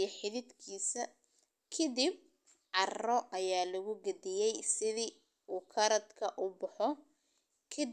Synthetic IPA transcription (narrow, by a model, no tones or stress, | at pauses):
ɐħɪðɪd̪kʰiːsɐ | kʰɐd̪ib̚ | ʕɑrɔʔɐjaːlɐɣʊɡɐd̪ɪjɛjsɪði | uːkʰɐɾɐd̪kʰɐʔʊbʊħɔ | kʰɐ